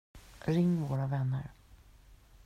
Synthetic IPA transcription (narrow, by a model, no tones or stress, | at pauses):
ɾɪŋːvoːɾavɛnːə̰ɾ